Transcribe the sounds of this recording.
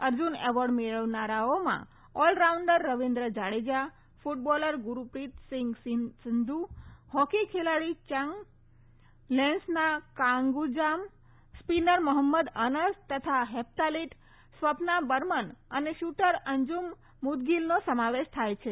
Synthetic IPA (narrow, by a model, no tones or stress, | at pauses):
əɾd͡ʒuneʋɔɾɖmeɭəʋnaɾaomã̰ | ɔlɾauɳɖəɾːəʋind̪ɾəd͡ʒaɽed͡ʒa | fuʈ̚bɔləɾɡuɾupɾit̪sɪŋɡsɪsɪnd̪uhɔkikʰelaɽit͡ʃəŋɡ | lɛ̃nsnakãŋɡud͡ʒam | spinəɾməɦəmːəd̪ənəst̪ət̪ʰaɦep̚t̪aliʈ | sʋəpnabəɾmənəneʃuʈəɾəɲd͡ʒumː | ud̪ɡilnosəmaʋeʃt̪ʰajt͡ʃʰe